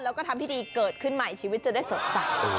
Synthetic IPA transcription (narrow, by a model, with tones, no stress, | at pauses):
lɛː˦˥wkɔː˥˩t̪ʰa˧t̪iː˥˩diː˧kɤː˨˩t̪̚kʰɯ˥˩nma˨˩jt͡ɕʰiː˧wi˦˥t̪̚t͡ɕa˨˩da˥˩jso˩˦t̪̚sa˨˩k̚